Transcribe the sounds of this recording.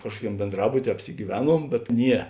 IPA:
ˈkɑːʃkuɔˌkʲɛm bʲeːnˈdrɑːbʊtʲiɛ ɐpʲsʲɪɡʲiːˈʋʲæːˌnuɔm bʲɛt ˈnʲiɛ

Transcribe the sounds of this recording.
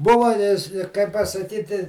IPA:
ˈbʊʋɐ ɪ ɪ kɐɪp pɐsɐˈkʲiːtʲɪ

